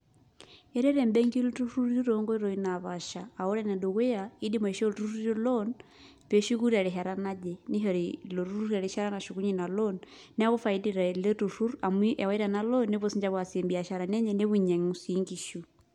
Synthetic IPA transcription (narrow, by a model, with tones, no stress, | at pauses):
ɛ˦ɾɛ˦ɾɛ˨mbɛ˦ŋɡi˦lu˦tu˦ɾu˦ɾu˦ɾɔŋɡɔ˦i˦ɾɔ˨i˦na˨βa˨ʃaː˨ɔ˦ɾɛ˦nɛ˨ndo˨ɣɛ˦ja˨i˦di˦mɔ˨i˨ʃɔ˦ltu˦ɾu˦ɾo˦lɔn | pɛ˨ʃu˦ku˦ɾi˦a˨ɾe˨ɦa˨ɾa˦na˦d͡ʒɛ˨ni˦ɦɔ˨ɾilo˨ɾu˦ɾu˦ɾia˨ɾi˦ʃa˦ɾa˦na˨ʃu˨ku˦ɲi˨na˨lɔnː | ɛ˦a˦ɣu˦fai˦di˨ɾa˨lɛ˦tu˨ɾu˦ɾa˨mi˦ʔɛ˨wa˦i˦ɾa˨na˦lɔnːe˦βɔ˦siɲd͡ʒa˦βwa˨se˨mbi˨a˨ʃa˨ɾa˨nɛ˦ɲɛ˨ne˦βi˨ɲa˨ŋu˨si˦ŋɡi˨ʃu˨